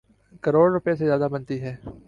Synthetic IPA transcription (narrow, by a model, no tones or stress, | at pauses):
kɐɾoːɽɾʊpjesezjaːd̪abɐnt̪iɦɛː